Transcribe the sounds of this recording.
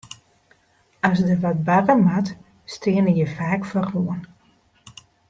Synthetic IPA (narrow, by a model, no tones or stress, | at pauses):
asdəʋɔt̚barəmat | stɪənəjəfaːkfɔruən